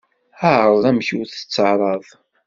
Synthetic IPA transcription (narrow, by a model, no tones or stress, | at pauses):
əʕɾɾˤðˤæmçuθə̥t͡sːəʕɾˤɑðˤ